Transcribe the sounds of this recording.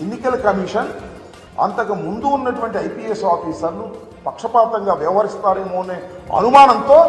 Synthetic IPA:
enːikɐlkɐmiːʂɐn | ɐ̰nt̪ɐkɐmund̪uːnːɐʈuʋɐɳʈiɐjpiːesaːfiːsɐɾnu | pɐkʂɐpaːt̪ɐŋɡaːʋɛʋɐɦɐɾist̪aːɾeːmoːneːɐ̰numaːnɐnt̪o̞ː

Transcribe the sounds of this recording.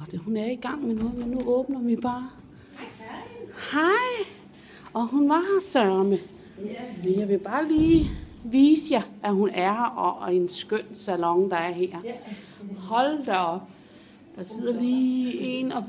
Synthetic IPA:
ɒd̥ehunæɐiɡ̥ɑ̈ŋ̰menɔ̽ːð̩ˠmenːuɔ̽ːb̥nɐʋib̥ɑ̈ː | hɑɪ | ɒ̽hunʋɑ̈sœɐmə | menjɑ̈ɪʋe̝b̥ɑ̈ːliː | ʋiːsəjɑæɦunæɐʔɒe̝nsɡ̥øn̰sælɒ̽ŋd̥ɑ̈æɐheɐ̰ | hɒ̽ld̥ɐɒb̥ | d̥ɑ̈se̝ð̰ˠɐliːe̝nɒ

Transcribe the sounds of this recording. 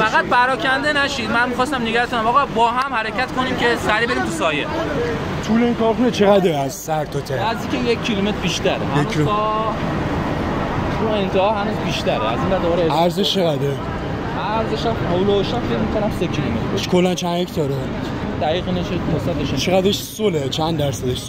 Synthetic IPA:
fæɣæd̪̚pʰæɾɒːcʰænd̪enæʃid̪mænmixɒːst̪æmneɡæɾkʰonæmɒɣɒbɒːɦæmhæɾecʰæt̪kʰo̞nimce̞sæɾiːbe̞ɾimt̪ʰusɒːje | t̪ʰuleiːnkʰɒɾxunet͡ʃʰeɣæd̪ɾeæzsæɾt̪ʰot̪ʰeɾnæzd̪ikʲejekʰːilome̞t̪ʰɾbiːʃt̪æɾeɦæjʰ | uent̪ʰehɒːɦænuːzbiʃt̪æɾeæzind̪æɾd̪obɒɾeæɾzeʃt͡ʃʰeɣæd̪ɾe | ʔæɾzeʃæmowlooʃæmfecmikonæmsekʰilomet̪ɾeʃkʰolːænt͡ʃʰænhect̪ʰɒːɾened̪d̪æɣiːɣinet͡ʃʰemosæt̪eʃt͡ʃʰeɣæd̪ɾeʃsolet͡ʃʰænd̪æɾsæd̪eʃs

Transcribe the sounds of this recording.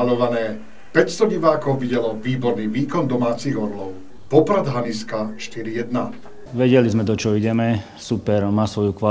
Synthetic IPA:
alɔʋanɛː | pɛcst̪ɔɟiʋaːkɔʊʋiɟɛlɔʋiːbɔɾniːʋiːkɔnd̪ɔmaːt͡siːɣɔɾlɔʊ | pɔpɾad̪ɦaniskaʃt̪iɾijɛd̪na | ʋɛɟɛlizmɛd̪ɔt͡ʃɔiɟɛmɛ | supɛɾmaːsʋɔjukʋa

